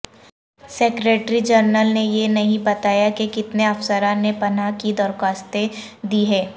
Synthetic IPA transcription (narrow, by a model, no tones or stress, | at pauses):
seːkɾeːʈɾid͡ʒəɾnəlnejenɐɦĩbɐt̪aːjakekɪt̪neɐfsəɾãnepɐnakid̪ɔɾkaːst̪e | d̪iːɦɛː